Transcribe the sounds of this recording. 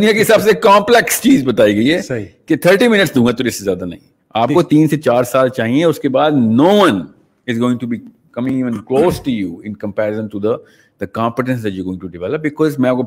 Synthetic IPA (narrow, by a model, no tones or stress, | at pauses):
d̪ʊnijakeɦɪsaːbsekãːmplɛkst͡ʃiːzbɐt̪aːiɡɐiɦɛiket̪ʰəɾʈimɪnɪʈsd̪ũŋɡat̪oɾɪsezjaːd̪anɐ̰ɦĩ | aːpkot̪iːnset͡ʃaːɾsaːlt͡ʃaːɦiẽʊskebaːd̪noːʋɐ̃n | ɪzɡoːɪ̃ŋʈubi | kɐmɪ̃ŋiːʋə̃nkloːsʈujuːɪ̃nkə̃mpɛːɾɪzə̃nʈud̪ə | d̪əkãːmpɪʈ̬ə̃ns̬d̪ɛʈjuːɡoːɪ̃ŋʈuɖɪʋɛləp̚bɪkɔːzmɛ̃aːp̚ko